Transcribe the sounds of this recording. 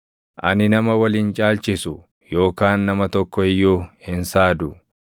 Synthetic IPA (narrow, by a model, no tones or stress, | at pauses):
ʔɐ̰nɪnɐmɐwɐliːnt͡ʃʼaːlt͡ʃɪsʊ | jo̞ːkaːnːɐmɐt̪ɔkːɔɪjːuːhɪnsaːd̪ʊ